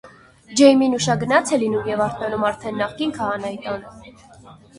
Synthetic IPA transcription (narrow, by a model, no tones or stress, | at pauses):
d͡ʒɛjminuʃɑɡənɑt͡sʰɛlinumjɛvɑɾt̪nɑnumɑɾt̪ʰɛnːɑχkinkʰɑɑnɑjit̪ɑnm